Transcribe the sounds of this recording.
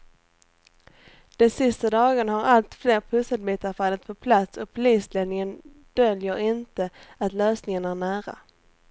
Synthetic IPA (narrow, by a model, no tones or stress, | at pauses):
d̪̥ɛnsɪst̪ad̪ɑːɡənhaɾalt̪fleːɾpʰɵsad̪̚biːt̪aɾfalːət̪̚pʰɔpʰlat̪sɔpʰʊliːsled̪nɪŋən | d̪̥œljəɾɪnt̪əat̪løːsnɪŋənæɾɳæːɾa̰